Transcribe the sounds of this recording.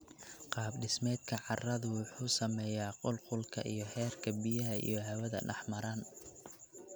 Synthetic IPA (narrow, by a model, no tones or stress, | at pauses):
qɑːbɖɪsmɛːd̪̚kʰɐʕɑrɐðʊwʊħuːsɐmɛːjaːqʊlqʊlkʰɐ̰ʔijɞhɛːrkʰɐbijɐɦɐʔḭjɞɦɐwɐðɐ̰ɖɑħmɐɾaːn